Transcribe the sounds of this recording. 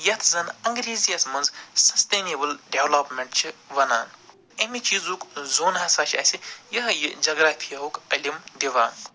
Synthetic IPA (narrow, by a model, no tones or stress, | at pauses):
jɐt̪ʰzɐnɐŋɡɾiːzijɐsmɐnzsɐst̪eːneːbɨlɖeʋloːpmʲeɳʈt͡ʃʰiʋɐnaːn | ɐmʲit͡ʃiːzukzoːnɦɐsaːt͡ʃʰɐ̰sʲijɐɦjid͡ʒɐɡɾat̪ʰiɐɦukɐlʲimd̪ʲiʋaːn